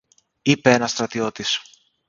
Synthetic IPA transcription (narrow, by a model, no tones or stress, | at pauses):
ipeenɐst̪ɾɐt̪io̞t̪is